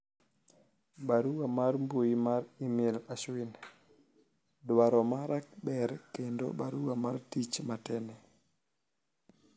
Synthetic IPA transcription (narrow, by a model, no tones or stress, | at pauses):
ɓaɾuwamaɾmbojimaɾimɛlaʃwin | dɔwaɾɔmaɾʔak̚ɓɛɾkɛndɔ̰ɓaɾuwamaɾtit͡ʃmatɛnɛ